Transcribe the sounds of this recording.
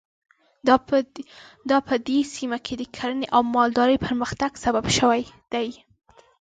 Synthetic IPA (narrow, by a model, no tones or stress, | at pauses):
d̪ɑpəd̪esimakʰed̪əkʰaɾəneʔawmɑld̪ɑɾəjpʰəɾməxt̪aɡsababʃəwajd̪̥aj